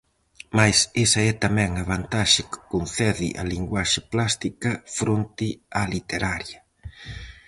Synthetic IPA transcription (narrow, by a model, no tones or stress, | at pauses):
majsesɐɛt̪amɛŋɐβant̪aʃɪkɪ̥konθɛðɪ̰ʔa̰liŋɡwaʃɪplast̪ikɐfɾont̪ɪalit̪eɾaɾjɐ